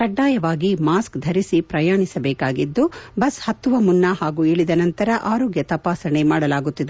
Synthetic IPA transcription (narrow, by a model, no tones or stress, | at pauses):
kɐɖːaːjɐʋaːɡimaːskd̪ʱɐɾisipɾɐjaːɳisɐbɛːkaːɡid̪ːubɐshɐt̪ːuʋɐmunːɐɦaːɡueːɭid̪ɐnɐnt̪ɐɾɐʔaːɾoːɡjɐt̪ɐpaːsɐɳemaːɽɐlaːɡut̪ːid̪e